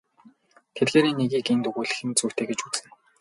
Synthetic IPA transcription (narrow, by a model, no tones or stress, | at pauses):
t̪ʰet̪ɡeːɾinːeɣiːkent̪ɵɣuːɮɘ̆xɘ̆nt͡sʰuːt̪ʰeːɡet͡ɕut͡sɘ̆n